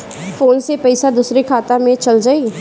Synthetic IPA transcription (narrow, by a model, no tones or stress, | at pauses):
fʰoːnsepɛɪsad̪uːsɾekʰaːt̪amẽt͡ʃɐld͡ʒaːi